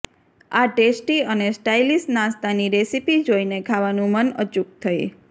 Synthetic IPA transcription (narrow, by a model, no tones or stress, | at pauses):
aʈesʈiənesʈailisnãst̪aniɾesipid͡ʒoinekʰaʋanũmənə̰t͡ʃuk̚t̪ʰəḭ